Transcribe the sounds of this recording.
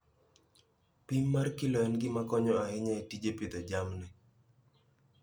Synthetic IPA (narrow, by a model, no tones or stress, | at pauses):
pimːarkilɔɛnɡɪmakɔɲɔaɪɲɛtid͡ʒepɪt̪ɔd͡ʒamnɛ